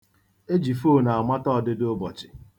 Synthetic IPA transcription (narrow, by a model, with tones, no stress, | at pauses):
e˦d͡ʒi˨fo˦˨na˨a˨ma˦tɔ˦˨dɪ˦do˦bɔ˨t͡ʃɪ̥˨